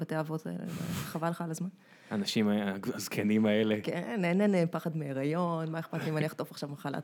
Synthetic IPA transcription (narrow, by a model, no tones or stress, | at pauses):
bat̪eavota̰ḛlḛma̰χavalχalazman | aːnaʃimaaazkʰenimaelekenenenepaχadmeːʁajo̞nmaeχpat̪liimaliaχt̪ofaχʃavmaχala̰t